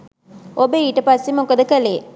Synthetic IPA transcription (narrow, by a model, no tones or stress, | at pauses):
obeiːʈəpɐsːemukɐd̪əkɐleː